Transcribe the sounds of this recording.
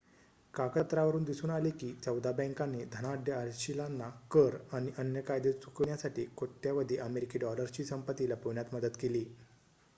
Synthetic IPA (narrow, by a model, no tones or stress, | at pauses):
kakət̪ɾaʋəɾuːnd̪isuːnalikiːt͡səwd̪abə̃ŋkaned̪ʱəɽ̃aːɖ̪ʱjəaɾɕilanːakəɾaɽ̃iʔənjəkajd̪et͡sukɳjasaʈiːkot̪ːjaʋəd̪ʱeʔəmeɾikiɖɔləɾt͡ɕiːsəmpət̪ilapoɳjat̪məd̪ət̪keliː